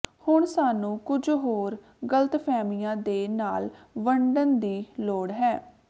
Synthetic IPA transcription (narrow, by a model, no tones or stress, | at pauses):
hʊɳsaːnũːkʊd͡ʒɦoːɾ | ɡələt̪pʰɛːmɪjãːd̪eːnaːlʋəɳɖənd̪iːloːɽɦɛː